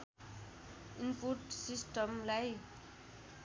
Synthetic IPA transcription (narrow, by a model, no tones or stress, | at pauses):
inpuʈsisʈəmlaj